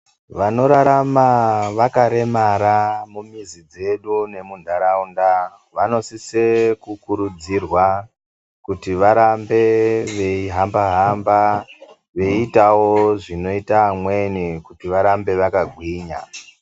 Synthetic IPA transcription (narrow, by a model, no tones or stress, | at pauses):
ʋano̞ɾaɾamaʋakaɾe̞maɾamumizid͡ze̞ɗune̞mundʱaɾaunda | ʋano̞sisekukuɾud͡zirwa | kutiʋaɾambe̞ʋe̞iɦambaɦamba | ʋe̞itawoʐino̞itaːmwe̞nikutiʋaɾambe̞ʋakaɡʱwiːɲa̰